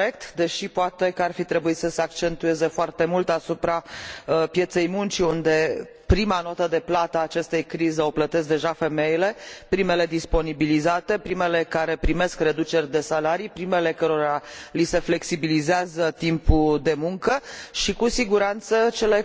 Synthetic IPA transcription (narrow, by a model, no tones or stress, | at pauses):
ek̚t̪d̪e̞ʃipoat̪e̞kəarfit̪ɾe̞buisəseak̚t͡ʃe̞nt̪ue̞ze̞foart̪e̞mult̪asupɾapje̞t̪se̞jmunt͡ʃiund̪e̞ | pɾimano̞t̪əd̪e̞plat̪aːt͡ʃe̞st̪ejkɾizeo̞plət̪es̬k̚d̪e̞ʒafe̞me̞jile̞pɾime̞le̞d̪ispo̞nibilizat̪e̞pɾime̞le̞kaɾe̞pɾime̞skre̞d̪ut͡ʃe̞rʲd̪e̞salaɾijpɾime̞le̞kəɾo̞ɾalise̞fle̞ksibilizeazət̪impud̪e̞muŋkəʃikusiɡuɾant̪sət͡ʃe̞le̞